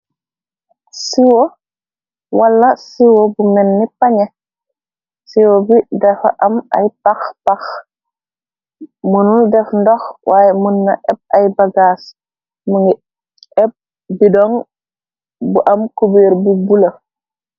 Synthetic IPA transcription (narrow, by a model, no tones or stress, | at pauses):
siwo | wɐlːɐsiwobumɛnːipaɲɛ | siwobidɛfa̰ʔɐmɐ̰jpaxpɐx | munuldɛfndɔxwʔaːjɛmunːɐʔɛb̚ɐjbɐɡaːs | muŋɡi | ɛp̚ | bidɔŋ | buʔɐmkubeːɾbubulɐ